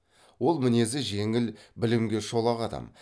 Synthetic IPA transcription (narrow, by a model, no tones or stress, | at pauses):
wo̞lˠmɪne̞zɪʒe̞ŋɪlbɪlɪmɡʲe̞ʃo̞lˠɑqɑd̪ɑ̰m